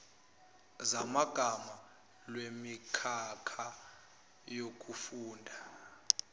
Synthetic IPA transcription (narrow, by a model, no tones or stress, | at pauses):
zamaɡ̥ʱama | lwemikʰakʰa | jok̬ʰʼufuːndʱa